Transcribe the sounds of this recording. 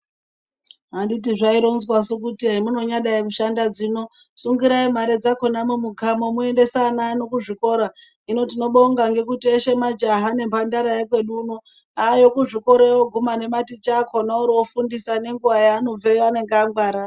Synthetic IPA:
ɦanditiʐaiɾonzwasok̬utiaimuno̞ɲaɗaikuʃandad͡zino̞ | suŋɡiɾaimaɾe̞d͡zako̞namumuɡʱamo̞mue̞nde̞sanano̞kuʐiko̞ɾa | ino̞t̬ino̞ɓo̞ŋɡaŋɡe̞kutieʃe̞mad͡ʒaɦane̞mbandaɾajekwe̞ɗuno | ajo̞kuʐiko̞ɾeoɡʱumane̞matit͡ʃakʰonauɾiwofundisane̞ŋɡuʋajaːno̞b͡vejoane̞ŋɡeaŋɡwaːɾa

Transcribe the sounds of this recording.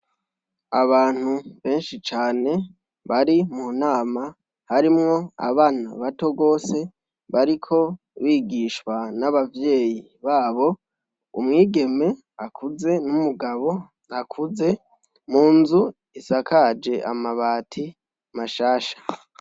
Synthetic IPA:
aβaːn̥uβe̞ːnʃit͡ʃaːne̞ | βaɾimun̥aːma | haɾimŋo̞a̰βaːna̰βato̞ɡo̞ːse̞ | βaɾikʰo̞ | βiːɡiːʃkwanaβavje̞ːji | βaːβo̞ | ṵmŋiːɡe̞me̞ | akuze̞numuɡaβo̞ | akʰuze̞ | muːnzu | isakʰad͡ʒe̞ʔa̰maβaːtʰi | maʃaːʃḁ

